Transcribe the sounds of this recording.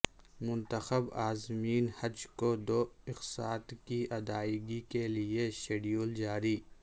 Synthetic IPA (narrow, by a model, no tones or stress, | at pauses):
mʊ̃nt̪əxəbaːzmiːnhɐd͡ʒkod̪oːɪxsaːt̪kiɐd̪aːɪɡikelieʃeːɖijuːld͡ʒaːɾiː